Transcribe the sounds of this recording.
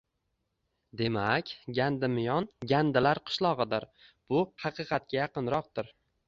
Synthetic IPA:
d̪e̞makʲɡʲand̪ɪmɪjɒnɡʲand̪ɪlaɾqʰɨ̥ʃlˠɒʁɨd̪ɪɾb̥ʊhɑqɨqʰɑt̪̚kʲajɑqɨnɾɒq̚d̪ɪɾ

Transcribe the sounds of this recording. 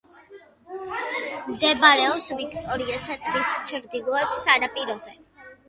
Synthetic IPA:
md̪ɛbaɾɛɔpsvikʰt̪ʼɔɾiasat̪ʼmist͡ʃʰɾd̪ilˠɔɛt̪sanapʼiɾɔzɛ

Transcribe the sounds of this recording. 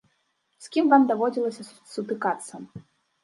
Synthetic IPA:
sʲkʲimvamd̪avɔd͡zʲilˠɐsʲɐ | sut̪ɨkat̪sːɐ

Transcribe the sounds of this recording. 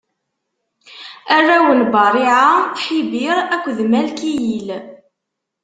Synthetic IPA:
ærːæwənbɑɾˤiʕaħibiɾækʷːðmælkijil

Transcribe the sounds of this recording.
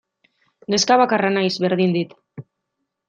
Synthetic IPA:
ɡeskaβakaranajzβe̞ɾðind̪it̪

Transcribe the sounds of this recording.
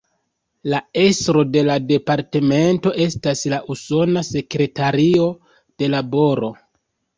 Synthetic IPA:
lae̞sɾo̞de̞lade̞paɾte̞me̞nto̞ʔe̞staslaʔuso̞nase̞kɾe̞taɾio̞ | d̥e̞labo̞ɾo̞

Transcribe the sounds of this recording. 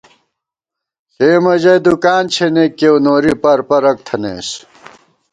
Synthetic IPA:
eːmɐʑɐjd̪ukaːnt͡ɕʰeneːkːewnoːɾipɐɾpɐɾɐk̚t̪ʰɐnḛːs

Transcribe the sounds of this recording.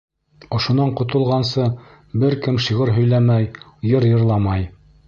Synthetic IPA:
ŏʃŏnɑɴqŏt̪ŏlˠʁɑnsɤ | bɘɾkɘmʃiʁɤɾɦɵ̆jlæmæj | jɤɾjɤ̆ɾlˠɑmɑj

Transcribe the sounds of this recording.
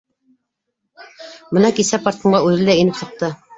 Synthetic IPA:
bɤnɑkisæpɑɾt̪ɤ̆ɴɢɑʉðɘ̆lːæinɘpt̪ɑ̆t̪ːɤ

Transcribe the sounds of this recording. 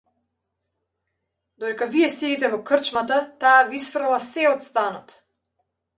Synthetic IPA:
d̪ɔd̪ɛkaviɛsiit̪ɛvɔkr̩t͡ʃmat̪at̪aːvisfr̩lˠasɛɔt̪st̪anɔt̪

